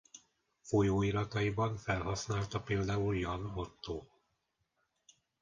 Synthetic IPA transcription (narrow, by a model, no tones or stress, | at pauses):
fo̞joːiɾɒt̪ɒibɒɱfɛlɦɒsn̪aːlt̪ɒpeːld̪aːuljɒnot̪ːoː